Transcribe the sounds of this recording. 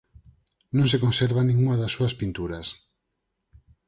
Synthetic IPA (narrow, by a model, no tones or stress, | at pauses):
nõŋsekõnseɾβanĩŋuŋɐðɐsːuɐspint̪uɾɐs